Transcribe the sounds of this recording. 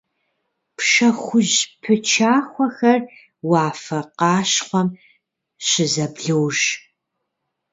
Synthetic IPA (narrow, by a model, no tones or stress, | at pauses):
pʰʃɐχʷʊʒpʰɨt͡ʃʰaːχʷɔxɐr | wɑːfɐqɑːɕχʷɔm | ɕɪzɐbɮɨwʒ